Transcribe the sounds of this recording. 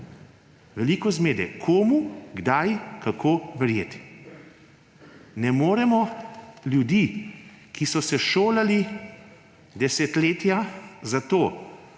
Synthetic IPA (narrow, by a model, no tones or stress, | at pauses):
ʋɛliːkɔzmeːd̪ɛkʰoːmuɡd̪ajkakʰoːʋɛɾjeːt̪i̥ | nɛmoːɾɛmɔljud̪iː | kisɔsɛʃoːlali | d̪ɛsɛt̪leːt̪jazat̪oː